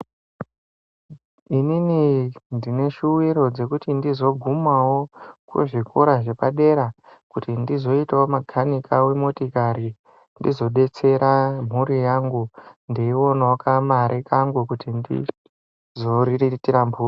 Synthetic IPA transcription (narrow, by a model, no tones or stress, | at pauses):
ininindine̞ʃuwiɾo̞d͡ze̞kutindizo̞ɡʱumawo̞kṵʐikʰoɾaʐe̞paɗe̞ɾakutindizo̞itaomaɡʱanikʰawe̞motikaɾi | ndizo̞ɗe̞t͡se̞ɾam̤uɾijaŋɡundeiwo̞naokʰamaɾʔekaŋɡukutindḭ | zoriritiɾambura